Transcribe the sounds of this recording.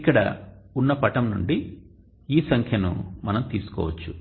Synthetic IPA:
kːɐɽɐ̰unːɐpɐʈɐmnuɳɖi | iːsɐŋkʰjɐnṵmɐnɐmt̪iːsu̥kɔ̰ːʋɐt͡ʃːu

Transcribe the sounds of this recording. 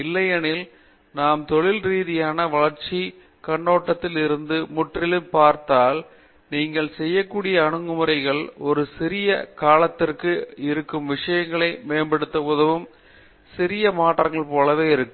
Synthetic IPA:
ɪlːɐjɐnɪl | naːmt̪ɔɭɪlɾiːðɪjaːnɐʋɐɭɐɾt͡ʃi | kɐɳːoːʈːɐt̪ːɪlɪɾɯnd̪ɯmʊʈrɪlɯmpaːɾt̪aːl | niːŋɡɐɭsɛjːɐkːuːɽɪjɐːɳɯŋɡɯmɯɾɐɪɣɐɭɔɾɯsɪɾɪjɐkaːlɐt̪ːɪrkɯɪɾɯkːɯmʋɪʂɐjɐŋɡɐɭɐɪmeːnbɛɽɯt̪ːɐpɔðɐʋɯm | sɪɾɪjɐmaːʈrɐŋɡɐɭpoːlɐʋeːɪɾɯkːɯm

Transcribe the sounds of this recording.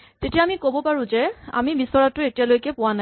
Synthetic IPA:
tetijaamikobɔpaɹʊ̃zɛa̰mibisɔɹatʊetijalojkɛpʊwana

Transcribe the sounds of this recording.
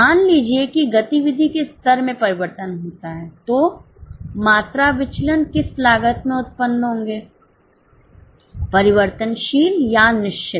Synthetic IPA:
aːnliːd͡ʒiekiɡɐt̪iʋɪd̪ʱikest̪əɾmẽpɐɾɪʋəɾt̪ənɦoːt̪aɦɛːt̪oː | maːt̪ɾaʋɪt͡ʃlənkɪslaːɡət̪mẽʊt̪̚pənɦõːŋɡeː | pɐɾɪʋəɾt̪ənʃiːljanɪʃt͡ʃɪ

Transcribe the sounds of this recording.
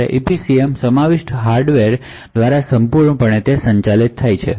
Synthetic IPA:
ḛʔipisiemsəmaʋiʃʈɦaɾɖʋeɾ | d̪ʋaɾasəmpuɾɳəpəɳ̃et̪esəɲt͡ʃalit̪ʰːajt͡ʃʰḛ

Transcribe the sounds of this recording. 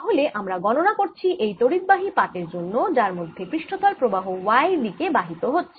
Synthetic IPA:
ɦoleʔʔamɾaɡɔnonakoɾt͡ɕʰiʔejt̪oɾid̪̚baɦipaʈeɾd͡ʑonːod͡ʑaɾmod̪ʱːekɾiʃʈot̪alpɾobaɦowajd̪ikebaɦit̪oɦotːɕʰe̥

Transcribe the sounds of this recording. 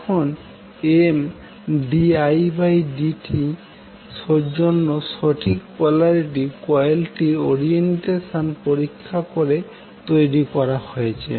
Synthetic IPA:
kʰɔn | em | ɖiajbajɖiʈʰi | sod͡ʒɔnːɔsɔʈʰikpɔlaɾiʈikɔjalʈioɾienʈesɔnpoɾikʰːakɔɾe | t̪ojɾikɔɾahojt͡ʃʰḛ

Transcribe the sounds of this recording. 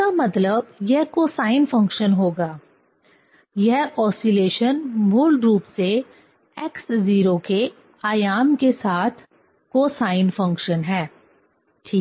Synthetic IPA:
amɐt̪ləb̚jɛɦkoːsaːɪnfɐ̃ŋkʃənɦoːɡaː | jɛɦɔːsileːʃənbʱʊlɖɾuːpse | ɛːksziːɾoke | aːjaːmkesaːt̪ʰ | koːsaːɪnfɐ̃ŋkʃənɦɛː | ʈʰiːk

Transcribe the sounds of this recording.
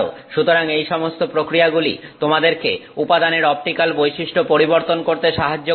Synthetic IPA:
o̰ʃut̪oɾaŋejʃɔmost̪opɾokɾiaɡulḭt̪omad̪eɾkḛupad̪aneɾɔp̚ʈikalbojʃiʃʈopoɾiboɾt̪onkoɾt̪eʃaɦad͡ʑːo

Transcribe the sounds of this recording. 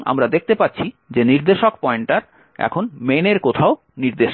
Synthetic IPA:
a̰mɾad̪ek̚t̪epatːɕʰi | d͡ʑeniɾd̪eʃokpɔeɳʈʈaɾ | ɛ̰kʰonmeneɾkot̪ʰao | niɾd̪eʃ

